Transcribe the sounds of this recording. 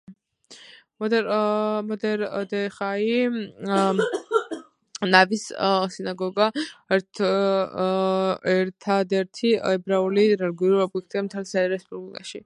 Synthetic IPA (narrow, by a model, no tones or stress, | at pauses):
mɔd̪ɛmɔd̪ɛɾd̪ɛχai | navissinaɡɔɡaɛɾt̪ʰ | ɛɾt̪ʰad̪ɛɾt̪ʰiɛbɾauliɾɛlɡiuɾuiɔbɛk̚ʰt̪ʼiamt̪ʰɛlsɛɾɛspʼublikʼaʃi